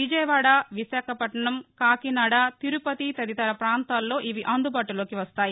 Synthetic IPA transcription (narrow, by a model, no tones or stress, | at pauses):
ʋid͡ʒɐjʋaːɽaʋisaːkʰɐpɐʈɐɳɐmkaːkinaːɽat̪iɾupɐt̪it̪ɐd̪it̪ɐɾɐpɾaːnt̪aːlːo̞ːʔiʋiʔɐnd̪ubaːʈulo̞ːkiʋɐst̪aːji